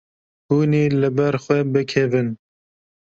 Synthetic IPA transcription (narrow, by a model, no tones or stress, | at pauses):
huːniːlɨbɛɾxwɛbɨkʰɛvɨn